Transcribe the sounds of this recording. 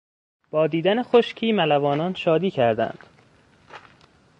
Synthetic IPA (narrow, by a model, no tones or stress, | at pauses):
b̥ɒːd̪iːd̪ænexoʃcʰiːmælævɒːnɒːnʃɒːd̪iːcʰæɾd̪æ̰nd̪̥